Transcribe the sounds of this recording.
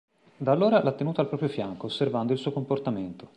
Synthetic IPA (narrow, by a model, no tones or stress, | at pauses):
d̪aːlːoːɾalʔat̪ːenuːt̪alpɾɔːpɾjofjaŋkoːsːervand̪oilsuːokomport̪ament̪o̥